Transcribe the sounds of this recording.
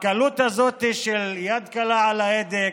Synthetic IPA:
kalut̪hazot̪iʃeljad̪kalaʕalaed̪e

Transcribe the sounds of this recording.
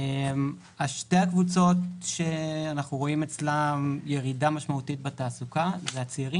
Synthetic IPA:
em | aʃte̞hakvut͡so̞tʃe̞anaχnuʁo̞imet͡slamje̞ʁidamaʃmautit̚betaːsukazeat͡siiʁi

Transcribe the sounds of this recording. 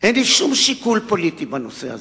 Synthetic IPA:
ʔenliʃumʃikulpolit̪ibanosḛha̰ze

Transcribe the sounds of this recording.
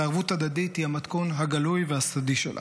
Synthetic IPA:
aʁvut̪ad̪ad̪it̪hiamat̪konɦaɡalujveasad̪iʃḛlʔa̰

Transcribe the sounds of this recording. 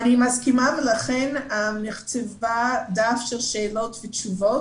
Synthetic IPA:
animaskimavəlaχɛnanɪχt͡sɛvadafʃɛlʃɛːlotvət͡ʃuvo

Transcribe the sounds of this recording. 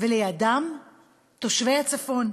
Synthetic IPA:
veleadam | t̪o̞ʃvejat͡safo̞n

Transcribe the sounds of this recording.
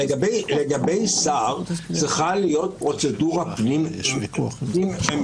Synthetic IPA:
eɡableɡabe̞jsaʁt͡siχalijo̞t̪̚pʁo̞t͡seduʁapnim | i

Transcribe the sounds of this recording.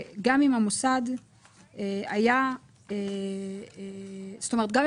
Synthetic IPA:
ɡamimamosad | eaja | e | stomet̪̚ɡam

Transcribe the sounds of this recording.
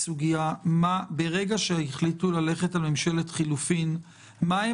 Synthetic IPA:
suɡijamabe̞ʁe̞ɡaʃeiχlitulale̞χetalmemʃe̞letχilufin | mae

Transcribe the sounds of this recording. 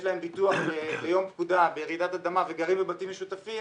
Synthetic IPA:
lae̞mbit̪uaχbebejo̞mpkud̪abejʁid̪at̪ad̪amaveɡaʁimbebat̪imːeʃut̪afi

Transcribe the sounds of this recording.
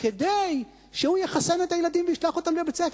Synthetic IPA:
ked̪ej | ʃehujeχase̞net̪ajelad̪imveiʃlaχo̞t̪amlebet͡sef

